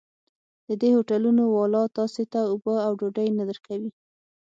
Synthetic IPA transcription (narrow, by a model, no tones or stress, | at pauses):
d̪̥əd̪ehoʈalunowɑlɑt̪ɑset̪aʊbəawɖoɖəjnad̪əɾkawi